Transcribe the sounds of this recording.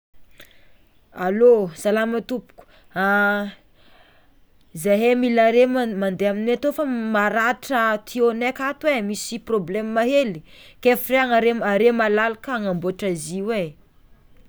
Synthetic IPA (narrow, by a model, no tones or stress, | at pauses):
a̰losalamət̪upu̥ku̥ | a | zaɦemilaɾemand̪eaminat̪ofəmaɾaʈ͡ʂət̪ʰionekat̪uwemisiproblɛmmaɦelikefireaŋaɾemaɾemalalakaŋamboaʈ͡ʂaziwe